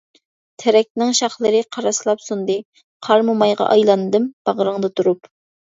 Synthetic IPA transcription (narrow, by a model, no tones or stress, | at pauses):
t̪ʰɛɾɛk̚ʲnɪŋʃɑχlˠɨɾɨqʰɑɾɑslˠɑpsund̪ɨ | qʰɑɾmumɑjʁɑ̰ʔɑjlˠɑnɨd̪ɨmb̥ɑʁəɾɨŋd̪ɨt̪ʰuɾup